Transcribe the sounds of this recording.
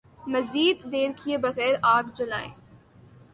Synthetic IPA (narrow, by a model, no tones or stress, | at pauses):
mɐziːd̪ːeːɾkʰiebɐɣɛːɾaːɡd͡ʒʊla̰ːi